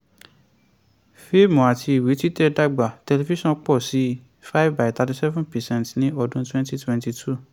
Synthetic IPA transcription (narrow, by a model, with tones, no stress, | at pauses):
fe˦mɔ̃˨a˨tʰi˧i˨wi˨˦twi˦tɛ˦˨da˦ɡ͡ba˨tɛ˧le˧vi˦ʃɔ̃˦˨k͡pɔ˦˨si˨˦ | fa˦ivba˨i˨t̪a˧ti˧sɛ˦vũ˦npɛ˨sɛ̃˦˨ntnĩ˦ɔ˧dũ˦twɛ̃˦nti˦twɛ̃˦nti˧tʰu˦˨